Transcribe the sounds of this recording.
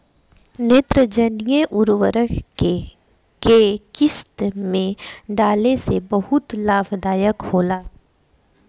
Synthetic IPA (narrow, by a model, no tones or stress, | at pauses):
neːt̪ɾəd͡ʒənjeʔʊɾwəɾəke | kekɪst̪mẽɖaːlesebɐɦʊt̪laːbʰd̪aːjəkhoːlaː